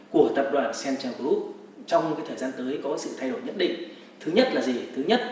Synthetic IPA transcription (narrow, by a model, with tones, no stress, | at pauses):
ku˧˩ət̪ə˨˩p̚ɗwa̰ː˧˨˩nsɛ˧nt͡ɕɛ˧wku˦˥ | t͡ɕɔ˧wŋ͡maː˨˦jt̪ʰəː˧˩jzaː˧nt̪əː˨˦jkɔ˨˦sɨ̰˧˨t̪ʰa˧jɗo˧˩jɲə̰˧˥nɗḭ˧˨ŋ̟ | t̪ʰɨ˨˦ɲə˦˥t̚laː˨˩zi˨˩t̪ʰɨ˨˦ɲə˦˥t̚